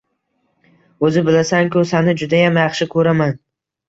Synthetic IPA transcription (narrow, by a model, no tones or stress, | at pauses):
ɵzɪbɪlasaŋkʰʊsanɪd͡ʒʊd̪ajamjɑχʃɪkʰɵɾaman